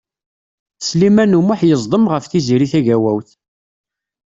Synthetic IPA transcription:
slimænumʊħjəzˤd̪ˤəmʁəfθiziɾiθæʝæwæwθ

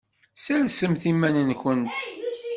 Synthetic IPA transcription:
sæɾsəmθimːænənçənt̪

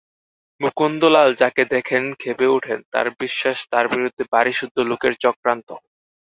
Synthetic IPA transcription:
mukund̪olald͡ʑaked̪ɛkʰenkʰebeuʈʰent̪a̰ɾbiʃːaʃt̪aɾbiɾud̪ʱːebaɾiʃud̪ʱːolokeɾt͡ɕɔkɾant̪o

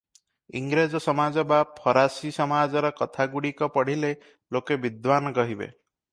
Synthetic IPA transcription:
iŋɡɾed͡ʒɔsɔmad͡ʒɔbapʰɔɾasisɔmad͡ʒɔɾɔkɔt̪ʰaɡuɽikɔpɔɽ̤ile | lokebid̪wanɔɡɔɦibḛ

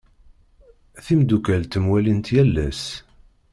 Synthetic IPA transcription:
θimd̪ukælt̪ːəmwælint̪jælːæs

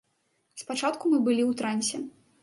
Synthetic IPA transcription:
spat͡ʂat̪kumɨbɨlʲiwt̪ɾanʲsʲɛ

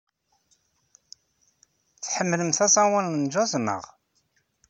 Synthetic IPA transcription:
θħəmːləmθæsˤɑwələnd͡ʒɑzˤnə̰ʁ

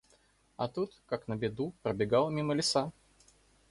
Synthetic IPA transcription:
ɐ̰t̪ut̪kaknəbʲɪd̪upɾəbʲɪɡalˠəmʲiməlʲɪsa

